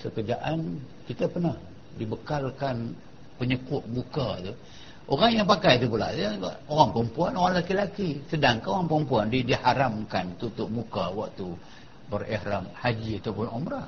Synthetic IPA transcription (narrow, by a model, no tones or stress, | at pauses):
səkəd͡ʒaʔan | kit̪apənah | dibəkalkan | pəɲəkʊʔ̚mukat̪u | ʔoɾaŋjaŋpakajt̪upula̰ʔaa̰oɣaŋpəəmpuanoɣaŋlakilakisədaŋkaoɣaŋpəɾəmpuandidihaɾamkant̪ut̪ʊʔ̚mukawak̚t̪u | bərihɾamhad͡ʒiat̪awpʊnomɾaʔ